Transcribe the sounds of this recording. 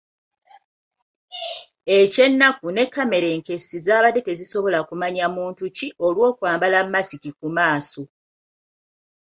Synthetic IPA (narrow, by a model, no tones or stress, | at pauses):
e̞ce̞nːakune̞kːame̞ɾe̞ːŋke̞sizaːβadete̞ziso̞βo̞lakumaɲamuːntuciʔo̞lwo̞ːkwaːmbalamːasicikumaːso